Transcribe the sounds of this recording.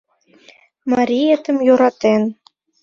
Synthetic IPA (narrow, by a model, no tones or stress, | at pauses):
mɑɾʲiet̪ə̆mjoɾɑt̪en